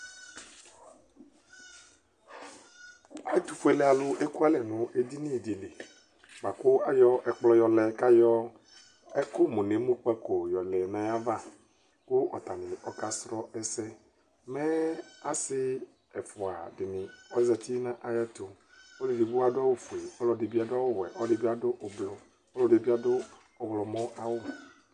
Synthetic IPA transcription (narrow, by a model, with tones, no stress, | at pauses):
a̰˨˦t̪u˨fu˦e˨˦lɛ˦a˨lʊ˦ʔe˦ku˦a˦lɛ˨nʊ̃˨ʔe˦di˦nĩ˦˨di˨le˨ | ba˨kʊ˦a˨jɔ˦ʔɛ˦k͡plɔ˦jɔ˨lɛ˨ka˦jɔ˦ | ɛ˦kʊ˦mũ˨ne˨˦mũ˦k͡pɛ˦ko˨jɔ˨lɛ˨nã˨˦ja˦va˦ | kʊ˦ʔɔ̰˨t̪a˨nɪ̃˨ɔ˨ka˦sɾɔ˦ɛ˦sɛ˦ | mɛ˦a˨sɪ˦ | ɛ˨fɔ˨a̰˨dɪ˨nɪ̃˨ɔ˦zɛ˨t̪i˦nã˦ʔa˨ja˦t̪o˨ | o˦dɪ˨di˨bu˦a˨dʊ˦a˦wo˦fu˨e˨ɔ˦lɔ˨dɪ˨bi˦a˨dɔ˦wo˦wɛ˨ʔɔ˦dɪ˨bi˦a˨dʊ˦ʔo˨blɔ˨ | ɔ˦lɔ˨dɪ˨bi˦a˨dʊ˦ | ɔ˨wlɔ˨mɔ̃˦ʔa˦wo˦